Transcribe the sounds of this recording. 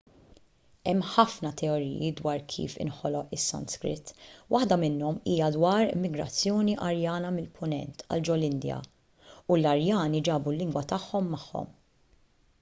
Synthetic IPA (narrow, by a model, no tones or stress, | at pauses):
ɛmːħɐfnɐt̪ɛɔɾḭːjid̪wɐːɾkʰḭːfɪ̰nħɔlɔʔɪsːɐ̰nskɾɪ̰t̪ːwʔɐħd̪ɐmɪnːɔmiːjɐd̪wɐːɾɪ̰mːɪɡɾɐ̰t͡sːjɔːniʔɐɾjɐːnɐmɪlpʰʊnɛ̰nt̪ɐ̰ld͡ʒɔlɪnd̪jɐ̰ | ulɐɾjɐːnid͡ʒɐːbulːɪŋɡwɐt̪ɐħːɔmːɐħːɔ̰m